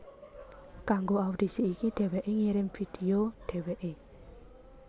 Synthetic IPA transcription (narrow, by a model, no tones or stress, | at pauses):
kaŋɡoaud̪̥isiːkiɖ̪̥ɛ̤wɛʔeŋiɾɪmfid̥ioɖ̥ɛ̤weʔe